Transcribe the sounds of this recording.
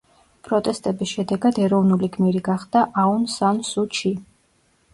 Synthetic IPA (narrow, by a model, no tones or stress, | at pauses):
pʼɾɔt̪ʼɛst̪ʼɛbisʃɛd̪ɛɡad̪ɛɾɔvnuliɡmiɾiɡaχd̪̥aʔaunsansut͡ʃʰi